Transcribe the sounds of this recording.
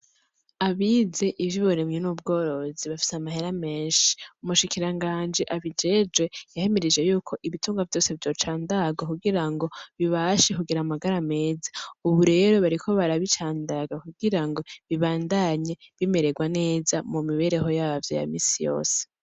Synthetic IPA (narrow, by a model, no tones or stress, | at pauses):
aβize̞ʔivjiβoɾemɲenub̚ɡo̞ːɾo̞ziβafi̥seamahe̞ɾame̞ːnʃi̥umuʃikiɾaŋɡaːnd͡ʒiʔaβid͡ʒe̞d͡ʒwe̞jahe̞meɾid͡ʒe̞juːkʰo̞ʔiβituːŋɡavjo̞ːse̞vjo̞ːt͡ʃaːndaɡakuɡiɾaŋɡo̞βiβaʃekuɡiɾamaɡaɾame̞ːzḁuβuɾe̞ːɾo̞βaɾikʰo̞βaɾaβit͡ʃaːndaɡakuɡiɾaŋɡo̞βiβaːndaɲe̞βime̞ɾe̞ɡwane̞ːzamumiβe̞ɾe̞ɦo̞jaːvjo̞̰ja̰miːsijo̞̰ːse̥